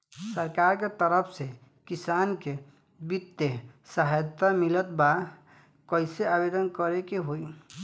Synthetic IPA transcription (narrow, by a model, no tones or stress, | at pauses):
səɾkaɾket̪əɾəpʰse | kisanke | bit̪ːesaɦjt̪amilət̪ba | kəɪseabed̪ənkəɾekeɦoi